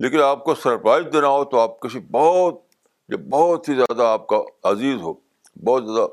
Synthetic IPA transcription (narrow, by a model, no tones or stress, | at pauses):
leːkɪnaːp̚kosɐɾpɾaːɪzd̪eːnaɦot̪oaːp̚kɐʃʰibɔːt̪̚ | jebɔːt̪ɦizjaːd̪aːp̚kaɐziːzɦoː | bɔːt̪zjaːd̪a